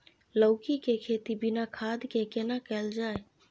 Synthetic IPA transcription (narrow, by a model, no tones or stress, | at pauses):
ləʊkikekʰeːt̪ibinakʰad̪ʱkekenakɛld͡ʒaːe